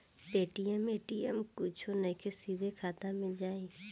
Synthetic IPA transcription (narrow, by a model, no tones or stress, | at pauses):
peːʈiɛmeːʈiːɛ̰mkʊt͡ʃʰonɐĩkʰesiːd̪ʱekʰaːt̪ãmẽd͡ʒaːĩ